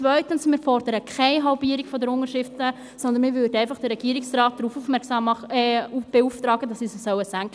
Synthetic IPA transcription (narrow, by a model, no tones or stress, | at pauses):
vœʏtənsmɪːɾfɔrd̥əɾəkʰχɛɪɦɑlbiːəɾikfɔdəɾʊŋəɾʃɪftə | sɔnd̪ənmɪːɾvʏːɾdəɛæɪnfɑχd̥əɾːɛɡ̥iːɾɪksrɑːt̚d̥̪ɾuːfuːfmɛɾksɑmɑub̥euːftɾɑːɡəd̥ɑsisəsœwəsæŋk